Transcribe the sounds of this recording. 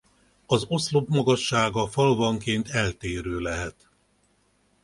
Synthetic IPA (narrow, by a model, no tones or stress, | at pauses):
ɒzo̞slo̞bmɒɡɒʃːaːɡɒfɒlvɒŋkeːnt̪ɛlt̪eːɾøːlɛɦɛt̪